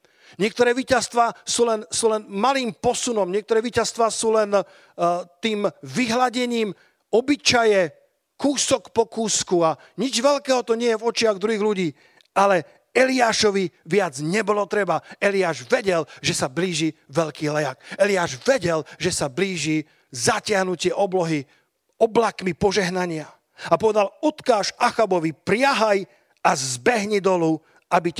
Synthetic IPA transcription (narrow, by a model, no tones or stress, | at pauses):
ɲɪɛk̚t̪ɔɾɛːʋiːcast̪ʋaːsuːlɛnsuːlɛnmaliːmpɔsunɔmɲɪɛkt̪ɔɾɛːʋiːcast̪ʋaːsuːlɛn | t̪iːmʋiɦlaɟɛɲiːm | ɔbit͡ʃajɛ | kuːsɔkpɔkuːskua | ɲid͡ʒʋɛlkɛːɦɔt̪ɔɲɪɛjɛvɔt͡ʃɪaɣd̪ɾuɦiːɣluɟiː | ʔalɛ | ɛliaːʃɔʋiʋɪad͡zɲɛbɔlɔt̪ɾɛbaɛliaːʒʋɛɟɛlʒɛsabliːʒiʋɛʎkiːlɛjakɛliaːʒʋɛɟɛlʒɛsabliːʒi | zacɪaɦnucɪɛʔɔblɔɦi | ɔblakmipɔʒɛɦnaɲɪa | apɔʋɛd̪alɔt̪kaːʃaxabɔʋipɾɪaɦaj | azbɛɦɲɛd̪ɔlu | abi